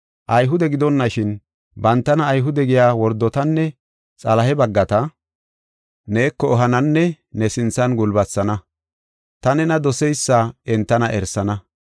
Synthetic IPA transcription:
ʔɐjɦʊd̪ɛɡɪd̪ɔnːɐʃɪn | bɐnt̪ːɐnɐːjɦʊd̪ɛɡɪjaːwɔɾd̪ːɔt̪ɐnːɛ | t͡sʼɐlɐɦɛbɐɡːɐt̪ɐ | neːkːɔːɦɐnɐnːɛ | nɛsɪnt͡sːɐnɡʊlbɐt͡sːɐnɐ | t̪ɐnɛnɐd̪ɔsɛjsːɐɛnt̪ːɐnɐʔɛɾsɐnɐ

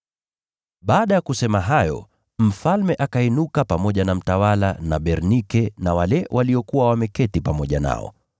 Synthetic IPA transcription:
ɓaːɗajakusɛmaɦajɔ̰ | m̩falmɛʔakainukapamɔʄanam̩tawalanaɓɛɾnikɛnawalɛwʔaliɔkuwawamɛkɛtipamɔʄa̰na̰ɔ̰

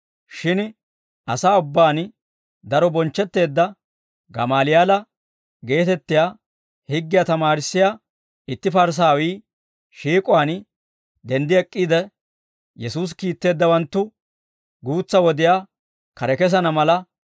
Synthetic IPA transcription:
ʃɪn | ɐ̰saːʊbːaːn | d̪ɐɾɔbɔnt͡ʃːɛt̪ːe̞ːd̪ːɐ | ɡɐ̰maːlɪjaːlɐ | ɡe̞ːt̪ɛt̪ːɪjaː | hɪɡːɪjaːt̪ɐmaːɾɪsːɪja | ɪt̪ːɪfɐɾs̬aːwiː | ʃiːkʼʊwaːn | d̪ɛnd̪ɪɛkʼːiːd̪ɛ | jɛsuːs̬kiːt̪ːe̞ːd̪ːɐwɐnt̪ːʊ | ɡuːt͡sːɐwɔd̪ɪjaː | kɐɾɛkɛs̬ɐnɐmɐlɐ

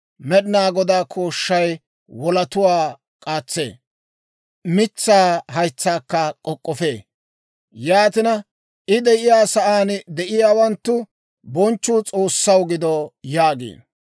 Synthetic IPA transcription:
mɛɗnaːɡɔd̪aːkʰoːʃːɐj | wɔlɐt̪ʊwaː | kʼaːt͡sːḛː | mɪt͡sːaːhɐjt͡sːaːkːɐkʼɔkʼːɔfḛː | jaːt̪ɪnɐ | ʔɪd̪ɛʔɪjaːsɐʔaːnd̪ɛʔɪjaːwɐnt̪ːʊ | bɔnt͡ʃːʊːt͡sʼo̞ːsːɐwɡɪd̪ɔjaːɡḛːn

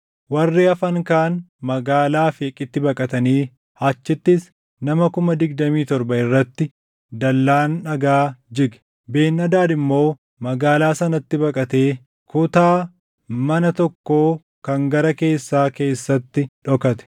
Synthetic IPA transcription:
wɐrːiːɐfɐŋkaːnmɐɡaːlaːfeːkʼɪt̪ːɪbɐkʼɐt̪ɐniː | hat͡ʃːɪt̪ːɪs | nɐmɐkʊmɐd̪ɪɡd̪ɐmiːt̪ɔɾbɐɪrːɐt̪ːɪ | d̪ɐlːaːnᶑɐɡaːd͡ʒɪɡɛ̥ | be̞ːnːɐd̪aːd̪ɪmːo̞ː | mɐɡaːlaːsɐnɐt̪ːɪbɐkʼɐt̪e̞ː | kʊt̪aː | mɐnɐt̪ɔkːo̞ː | kɐŋɡɐɾɐke̞ːsːaːke̞ːsːɐt̪ːɪᶑɔkɐt̪ɛ̥

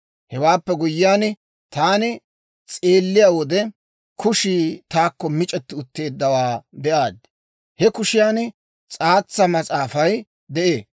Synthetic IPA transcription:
hɛwaːpːɛɡʊjːɪaːn | t̪aːnɪ | t͡sʼe̞ːlːɪjaːwɔd̪ɛ | kʊʃiːt̪aːkːɔmɪt͡ʃʼɛt̪ːɪʊt̪ːe̞ːd̪ːɐwaːbɛʔaːd̪ | hɛkʊʃɪjaːn | t͡sʼaːt͡sːɐmɐt͡sʼaːfɐj | d̪ɛʔeː

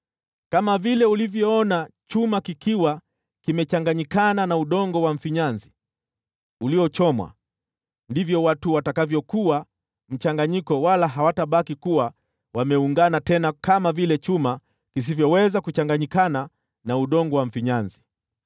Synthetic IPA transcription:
kamavilɛulivjɔɔnat͡ʃumakikiwa | kimɛt͡ʃaŋɡaɲikananauɗɔŋɡɔwaɱ̩fiɲanzi | uliɔt͡ʃɔmwa̰ | ndivjɔwatuwatakavjɔkuwa | m̩t͡ʃaŋɡaɲikɔwalaɦawataɓakikuwa | wamɛuŋɡanatɛnakamavilɛt͡ʃuma | kis̬ivjɔwɛzakut͡ʃaŋɡaɲikana | nauɗɔŋɡɔwam̩ɱ̩fiɲanzi

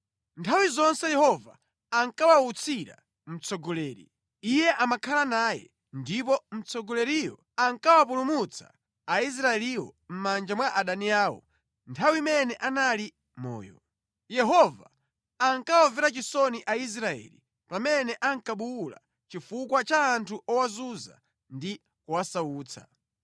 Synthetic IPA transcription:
ntʰawizɔnsɛjɛhɔva | aŋkawaut͡sʰiɾa̰ | m̩t͡sɔɡɔlɛːɾḭ | ijɛʔamakʰalanaːjɛ̰ | ndip̬ɔm̩t͡sɔɡɔlɛɾijɔ̰ | aŋkawapulumut͡sʰḁ̰ | ais̬ɾaɛliwɔ̰m̩mand͡ʒamwaʔaɗaniaːwɔ̰ | ntʰawimɛnɛʔanali | mɔ̰ːjɔ̰ | jɛɦɔva | aŋkawavɛɾat͡ʃisɔniʔais̬ɾaɛ̰ːlḭ | pamɛnɛʔaŋkaɓuula̰ | t͡ʃifukwat͡ʃaːntʰuʔɔwazuza̰ | ndi | kuwasauːt͡sʰa̰

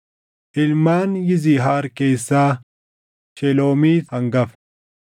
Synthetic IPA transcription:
ʔɪlmaːnjɪziːɦaːɾkeːsːaː | ʃɛloːmiːɐŋɡɐf

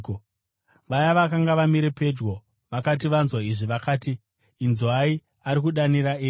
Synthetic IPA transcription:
ʋajaʋakaŋɡaʋamiɾe̞pe̞d͡ʒɡo̞ | ʋakat̬iʋanzwaiʐiʋakaːtiː | nzwai | aɾikuɗaniɾaeː

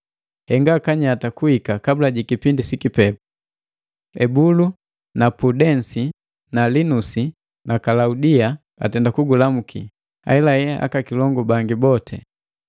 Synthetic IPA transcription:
hɛŋɡaːkaɲatakuhikakabulaɟikipindisikipɛpu̥ | ɛbulu | napudɛnsi | nalinusi | nʔakalaudia | a̰tɛndakuɡulamukʰi | a̰ɛlajɛa̰kakilɔŋɡɔbaŋɡibɔtʰɛ̰

